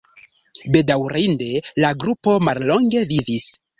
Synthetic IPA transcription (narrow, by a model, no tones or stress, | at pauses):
be̞dawɾinde̞laɡɾupo̞mallo̞ŋɡe̞vivis